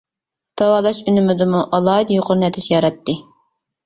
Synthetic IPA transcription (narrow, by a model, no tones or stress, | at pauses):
t̪ʰɑwɑːlˠɑʃynymɪd̪ɨmuʔɑlˠɑːid̪joqʰʊɾnɛt̪ʰɪt͡ʃjɑɾɛt̪ːɨ